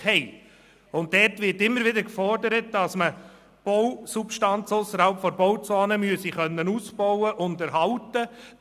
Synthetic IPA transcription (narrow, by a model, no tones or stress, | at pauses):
hɛɪ | ʊntdɛɾtʋɪɾtɪmːəɾʋɪdəɾkfɔrdəɾət̚d̥ɑsmə | b̥ɔwsupʃtɑnt͡sʊsːəɾhɑlpfɔɾbɔwt͡soːnəmyəsiχœnːənusb̥ɔʊwəʔʊndæɾɦɑltːə